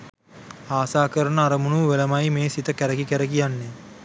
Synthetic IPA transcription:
aːsaːkəɾənəaɾəmunuʋʋeləmajmeːsit̪əkæɾəkikæɾəkijanːe

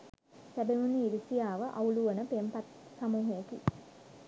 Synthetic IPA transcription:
sæbeʋuniːɾisijaːʋəʔauluʋənəpempat̪samuːɦejekḭ

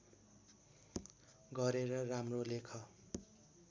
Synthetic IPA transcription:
ɡʌɾeɾʌramrolekʰʌ

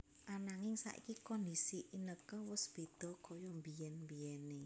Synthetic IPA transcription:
ʔanaŋɪŋsa̰ʔḭkikɔndisiʔinəkəwʊsb̥e̤d̪̥ɔ̤kɔjɔmbiɛnmbiɛne

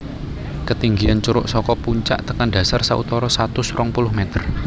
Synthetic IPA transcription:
kət̪iŋɡiant͡ʃuɾʊʔsɔkɔpuɲt͡ʃa̰ʔt̪əkanɖa̤sarsaʔṵt̪ɔɾɔsat̪ʊsrɔŋpulʊhmɛt̪ər

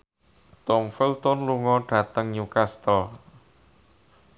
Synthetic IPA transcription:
t̪ɔmfilt̪ɔnluŋɔɖ̥ä̤t̪əŋɲukast̪ɔ

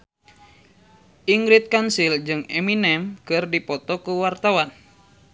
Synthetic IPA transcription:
ʔiŋɡɾit̪̚kansild͡ʒɨŋɛminɛmkɨrdipɔt̪ɔkuwart̪awan

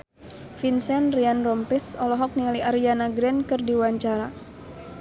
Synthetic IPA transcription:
finsɛnrianrɔmpɛsɔlɔɦɔk̚nialiaɾianaɡɾɛnkɨrdiwaɲt͡ʃaɾa

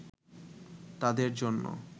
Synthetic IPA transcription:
t̪ad̪eɾd͡ʑonːo̰

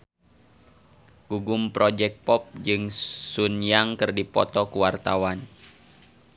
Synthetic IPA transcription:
ɡ̥uɡumpɾɔd͡ʒɛk̚pɔp̚d͡ʒɨŋsunjaŋkɨrdipɔ̰t̪ɔkuwart̪awan

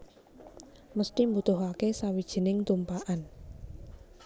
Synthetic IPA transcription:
məst̪imbut̪ʊɦakesawid̥ʒ̥i̤nɪŋt̪umpaʔan

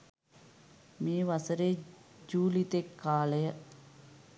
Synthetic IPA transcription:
miːʋɐsəɾeːd͡ʒuːlit̪ekːaːlɐjə

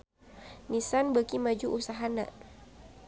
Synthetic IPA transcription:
nisanbəkimad͡ʒuʔusaɦana̰

